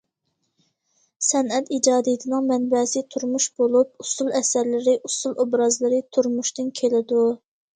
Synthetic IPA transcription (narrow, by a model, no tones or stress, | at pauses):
sɛnɛt̪id͡ʒɑːd̪ijt̪ʰɪnɨŋmɛnbɛsɪt̪ʰuɾmuʃb̥olˠup̚usulˠɛsæɾlɪɾɪʔusulˠʔobɾɑzlˠɨɾɪt̪ʰuɾmuʃt̪ɨnkʲʰelɪd̪u